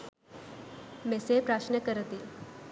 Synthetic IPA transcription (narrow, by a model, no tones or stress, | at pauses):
mesepɾaʃnəkəɾət̪i